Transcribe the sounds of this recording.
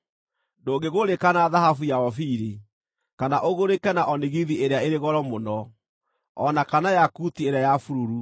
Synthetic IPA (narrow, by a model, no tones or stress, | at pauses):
doːɡeɣoɾekanaðaɦafujaɔfiɾi | kanaʔoɣoɾekɛnaʔɔneɣiðieɾeaeɾeɣɔɾɔmonɔ | ɔnakanajakutieɾeajafuɾuɾu